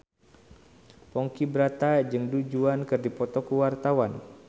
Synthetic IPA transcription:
pɔŋkibəɾat̪ad͡ʒɨŋdud͡ʒuankɨrdipɔt̪ɔkuwart̪awan

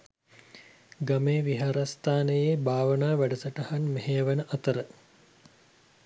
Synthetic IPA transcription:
ɡameːʋiɦaɾast̪aːnəjebaːʋənaːʋæɖəsəʈɐhanmeɦeʋənəʔat̪əɾə

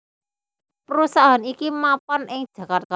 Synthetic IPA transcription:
pəɾusaɦanikimapanɪŋd̥ʒ̥ä̤kart̪̚ka

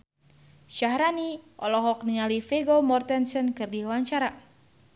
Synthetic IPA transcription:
ʃahɾaniʔɔlɔɦɔk̚nialifɛɡomɔrt̪ɛnsɔnkɨrdiwaɲt͡ʃaɾa

